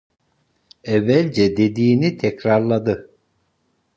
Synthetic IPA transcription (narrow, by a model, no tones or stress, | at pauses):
ɛvːælʲd͡ʒɛd̪e̞d̪iːnit̪ʰɛcɾaɾlˠad̪ɯ